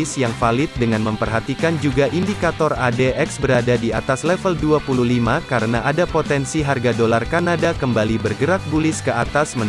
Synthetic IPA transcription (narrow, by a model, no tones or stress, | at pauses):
sjaŋfalɪt̪̚dəŋanməmpərɦat̪ikand͡ʒuɡaʔindikat̪ɔradeʔɛksbəɾadadiat̪aslɛfəlduapuluhlimakaɾənaʔadapot̪ɛnsiɦarɡadolarkanadakəmbalibərɡəɾak̚bulɪskəat̪asmən